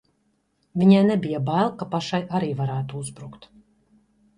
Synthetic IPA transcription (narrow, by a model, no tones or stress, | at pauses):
vʲiɲaːnɛbijabalˠkapaʃajʔaɾiːvaɾæːt̪uuzbɾukt̪